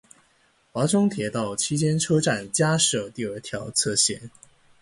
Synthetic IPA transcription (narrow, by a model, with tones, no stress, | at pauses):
xwa˧˥ʈ͡ʂʊ˥ŋt̪ʰjɛ˧˥t̪ɑ˥˩ʊt͡ɕʰi˥t͡ɕjɛ˥nʈ͡ʂʰɤ˥ʈ͡ʂa˥˩nt͡ɕja˥ʂɤ˥˧˩t̪i˥˩ə˞˨˩t̪ʰjɑ˧˥ʊt͡sʰɤ˥˧ɕjɛ̰˥˩n